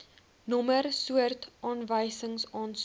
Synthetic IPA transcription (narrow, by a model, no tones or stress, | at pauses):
nɔmərsuərtʔɑːnvəjsəŋsɑːns